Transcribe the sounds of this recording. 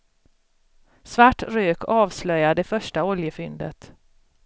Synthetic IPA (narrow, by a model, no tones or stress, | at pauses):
svaʈːɾøːkʰɑːvslœjad̪ɛfœʂʈaɔljəfʏnd̪ə̰t̪